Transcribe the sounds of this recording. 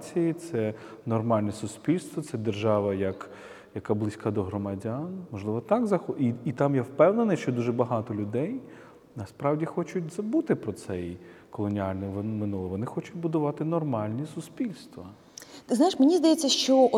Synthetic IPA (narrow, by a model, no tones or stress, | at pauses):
t͡sʲijit̪sɛnɔrmɑlʲnɛsʊspʲilʲst̪ʋɔt̪sɛd̪erʒɑʋɐjɐk | jɐkablˠɪsʲkad̪ɔɦɾɔmɐdʲanmɔʒlˠɪʋɔt̪ɑɡzɐxiit̪amjɛwpɛwnenɪʃt͡ʃɔd̪uʒɛbɐɦɑt̪ɔlʲʊd̪ɛj | nɐspɾɑwdʲixɔt͡ʃʊtʲzɐbut̪ɪpɾɔt̪sɛjkɔlˠɔnʲialʲnɪmʋɔnmɪnulˠɔʋɔnɪxɔt͡ʃʊtʲbʊd̪ʊʋɑt̪ɪnɔrmɑlʲnʲisʊspʲilʲst̪ʋɐ | znaɪʃmenʲizd̪ɐjet͡sʲːɐʃt͡ʃɔ